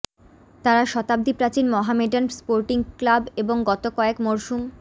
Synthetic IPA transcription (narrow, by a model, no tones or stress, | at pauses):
t̪aɾaʃɔt̪ab̚d̪ipɾat͡ɕinmɔɦameɖanspoɾʈiŋklabeboŋɡɔt̪okɔekmoɾʃum